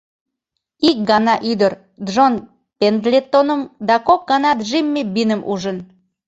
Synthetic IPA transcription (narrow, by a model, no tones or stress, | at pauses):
ik̚ɡɑnɑʔyd̪əɾ | d̪ʒon | pend̪lʲet̪ːonəmd̪ɑkok̚ɡɑnɑt̪ʒimːebinəmʔṵʒən